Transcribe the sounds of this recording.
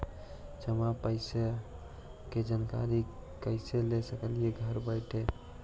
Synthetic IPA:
d͡ʒəmapəɪsa | ked͡ʒanka̰ɾikəɪselesəkəlieɡʱəɾbəɪʈʰe

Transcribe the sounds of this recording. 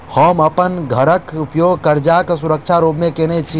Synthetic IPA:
həmɐpənɡʱəɾəkupjoːɡ̚kəɾd͡ʒaksʊɾəkt͡ʃʰaɾoːbmẽkeːnet͡ʃʰi

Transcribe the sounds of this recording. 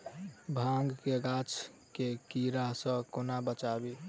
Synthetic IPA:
bʱãŋɡkeɡat͡ʃ | kekiɾaɦsə̃konabət͡ʃabi

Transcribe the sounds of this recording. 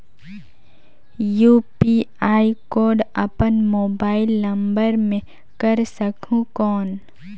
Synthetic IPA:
juːpiaːikoːɾɖɐ̰pənmoːbaːɪlːɐ̃mbəɾmẽ | kəɾsəkʰũkɔːn

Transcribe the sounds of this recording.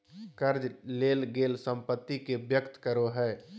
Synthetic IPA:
kəɾd͡ʒleːlɡeːlsə̃mpət̪ːikebjəkt̪kəɾoɦɛː

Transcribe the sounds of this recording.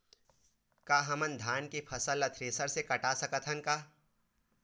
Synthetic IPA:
kaːɦɐmənd̪ʱaːnkepʰɐsəlːɐt̪ʰɾeːsəɾsekɐʈasɐkət̪ʰɦənkaː

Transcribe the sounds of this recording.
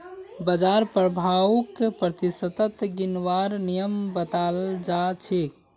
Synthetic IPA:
bəd͡ʒaɾpɾəbʱakːepɾət̪isət̪ət̪ɡinʋaɾnijəmbət̪ald͡ʒat͡ʃʰek

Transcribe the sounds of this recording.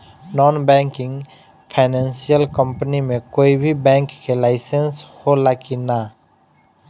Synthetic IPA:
nɔnbɛ̃ŋkɪ̃ŋ | pʰaɪnɛnsijəlkə̃mpənimẽkoːibʱibɛ̃ŋkːelaɪsensholakina

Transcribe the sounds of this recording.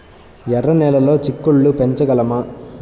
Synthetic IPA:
ɛrɐnɛːlɐloːt͡ʃikːuɭːupɛɲt͡ʃɐɡɐlɐmaː

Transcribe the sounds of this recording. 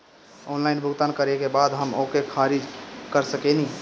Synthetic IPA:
onlainbʱuɡt̪ankəɾekebad̪ɦəmokekʰaɾid͡ʒkəɾsəkeni

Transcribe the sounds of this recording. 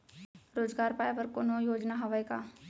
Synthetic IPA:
ɾoːzɡaːɾpaːjʋəɾkoːnojoːd͡ʒnaɦɐʋajka̰ː

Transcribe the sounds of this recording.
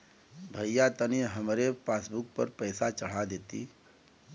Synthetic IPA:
bʱəjjat̪əniɦəmɾepaːsbuk̚pəɾpəɪsat͡ʃəɽ̤ad̪eːt̪ḭ

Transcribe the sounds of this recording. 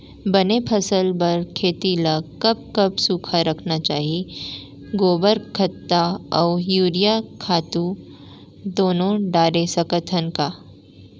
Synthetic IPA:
bɐnepʰɐsəlbɐɾkʰeːt̪ilakɐp̚kɐbsuːkʰaɾɐkʰnat͡ʃaːɦie | ɡoːbəɾkʰɐt̪ːaɔːjuːɾijakʰaːt̪u | d̪oːnõɖaːɾesɐkət̪ʰənkaː

